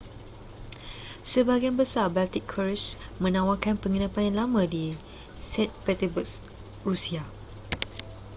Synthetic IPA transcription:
səbaɡianbəsarbalt̪ikʰːaɹismə̃nãwakanpəŋənãpanjanlamãdi | sɛt̪̚pɛt̪əbus | ɹusia

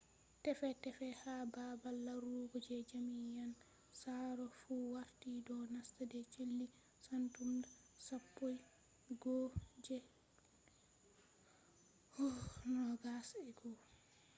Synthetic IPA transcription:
tɛfɛtɛfɛhababalːaɾuɡud͡ʒɛd͡ʒamijan | saɾɔfuwaɾtidɔnastadɛt͡ʃelːi | santumda | sapːoj | ɡɔd͡ʒɛ | hunɔɡasɛɡɔ

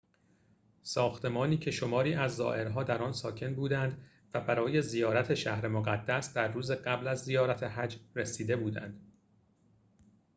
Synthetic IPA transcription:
sɒːxt̪ʰe̞mɒːniːcʰe̞ʃo̞mɒːɾiːʔæzːɒ̰ːʔe̞ɾɦɒːd̪æɾɒːnsɒːcʰe̞nbuːd̪ænd̪ | væbæɾɒːje̞zijɒːɾæt̪ʰe̞ʃæhɾe̞moɣæd̪̥ːæsd̪æɾːuːzeɢæblæzːijɒːɾæt̪ʰe̞ɦæd͡ʒresiːd̪e̞buːd̪æ̰nd̪̥

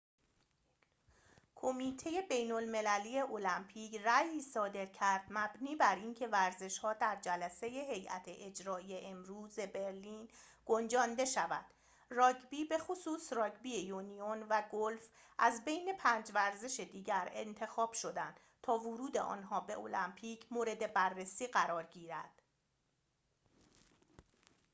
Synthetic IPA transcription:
kʰo̞miːt̪ʰe̞je̞be̞jnolme̞læliːje̞ʔolæmpʰiːcræjiːsɒːd̪e̞ɾcʰæɾd̪mæbniːbæɾiːncʰevæɾze̞ʃhɒːd̪æɾd͡ʒælæse̞je̞ɦe̞jʔæ̰t̪ʰeʔed͡ʒɾɒːijeʔemɾuːze̞be̞ɾliːn | ɡ̥o̞nd͡ʒɒːnd̪e̞ʃævæd̪̥ | rɒːɟbiːbe̞xosuːsrɒːɡbiːejunijonvæɡolf | ʔæzbe̞jne̞pʰæːnd͡ʒvæɾze̞ʃed̪iːɟæɾḛnt̪ʰe̞xɒːb̥ʃo̞d̪ænd̪̥ | t̪ʰɒːvoɾuːd̪e̞̰ʔɒ̰ːnɦɒːbe̞ʔolæmpʰiːcʰmoːɾe̞d̪e̞bærːesiːɢæɾɒːɾɟiːɾæd̪̥

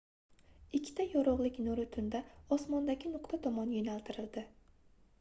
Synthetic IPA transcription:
ɪkʲʰːt̪ʰajɒɾɒʁlˠɪkʲnoɾɪt̪ʰʊnd̪aɒsmɒnd̪aɡʲɪnʊqt̪ʰat̪ʰɒmɒnjonalt̪ʰɪɾɪld̪ɪ

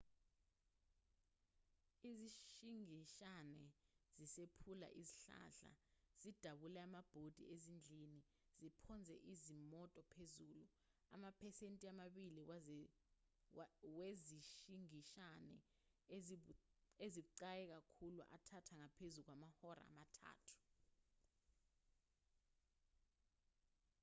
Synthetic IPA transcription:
iziʃiŋiʃanɛz̥isepʰula̰ʔiziɬa̰ɬa̰z̥id̥ʱaɓulɛamab̥ʱod̥ʱḭezind͡ɮʱini | z̥ipʰɔnd͡zʱɛ̰ʔizimɔtʼɔpʰezuːlu | a̰mapʰɛsentʼiamaɓili | weziʃiŋiʃanɛ̰ | ezik̬uǀajɛk̬akʰulṵʔa̰tʰatʰaŋapʰezuk̬wamahɔɾa̰ːmatʰa̰ːtʰu̥

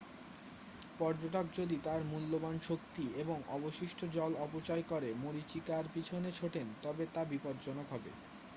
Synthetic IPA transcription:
pɔɾd͡ʑoʈokd͡ʑod̪it̪aɾmulːomanʃok̚t̪ieboŋɔboʃiʃʈʰod͡ʑɔlɔpot͡ɕajkɔɾemoɾit͡ɕikaɾpit͡ɕʰonet͡ɕʰoʈent̪ɔbet̪abipod̪d͡ʑɔnokɦɔbḛ

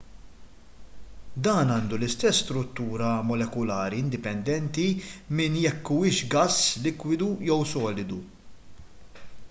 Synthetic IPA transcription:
d̪ɐːnɐːnd̪ulɪst̪ɛsːt̪ɾʊt̪ːuːɾɐmɔlɛkʊlɐːɾiɪnd̪ɪpɛnd̪ɛnt̪imɪnjɛkːuɪːʃɡɐsːlɪkwɪd̪ujɛwsɔːlɪd̪u

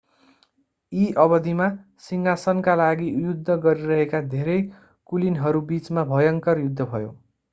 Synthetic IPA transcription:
iʔʌbʌd̪ʱima | siŋasʌnkalaɡijud̪ʱːʌɡʌɾiɾʌɦekad̪ʱeɾʌj | kulinɦʌɾubit͡smabʱʌjʌŋkʌrjud̪ʱːʌbʱʌjo̰

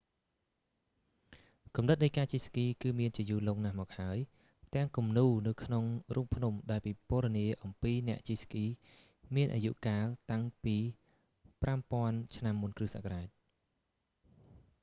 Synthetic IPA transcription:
kumnɨt̪̚nəjkaːt͡ɕiːskiːkɨːmiənt͡ɕiəjuːloːŋnahmɔːk̚haəj | t̪ɛ̆əŋkumnuːnɨwkʰnoŋruːmpʰnumɗaɛlpiːpʊ̆əɾɗɑniəʔɑmpiːnɛ̆əʔt͡ɕiːskiː | miənʔa̰ːjṵʔkaːlt̪aŋpiː | prampŏənt͡ɕʰnamːunkrɨːsa̰kraːc̚

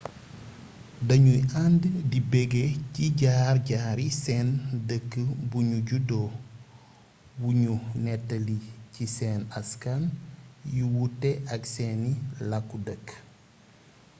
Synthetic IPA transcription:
dɐɲujanddibɛɡeciɟaːrɟaːɾisɛndəkːəbuɲuɟudɔ | buɲunɛtːɐlicisɛnɐskanjuwutːɛʔɐksɛnilɐkːudəkː

